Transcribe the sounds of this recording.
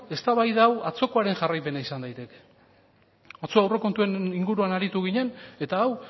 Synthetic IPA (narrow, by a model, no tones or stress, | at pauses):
e̞st̪aβajðaːwat͡so̞ko̞aɾe̞ŋʝarajpe̞naisand̪ajt̪e̞ke̞̥ | ot͡soawre̞ko̞nt̪ueniŋɡuɾuanaɾit̪uɣiɲe̞ne̞t̪aːw